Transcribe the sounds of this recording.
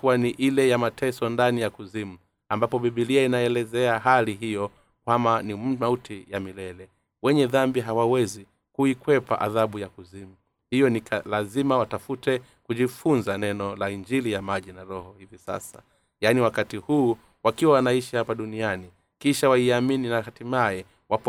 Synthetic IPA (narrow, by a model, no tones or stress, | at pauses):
kuwaniʔilɛjamatʰɛsɔndanijakuzimu | ambapɔɓiɓiliainaɛlɛzɛaɦaliɦijɔ | kwamanimautʰijamilɛlɛ | wɛɲɛðambiɦawawɛzi | kuikwɛpa̰ʔa̰ðaɓujakuzimu | hijɔnikalazimawatafutɛ | kuʄifunzanɛnɔlaind͡ʒilijamaʄinaɾɔhɔhivisa̰sa̰ | janiwakatihuː | wakiwawanaiʃihapaɗuniani | kiʃawaiamininahatimaɛ | wap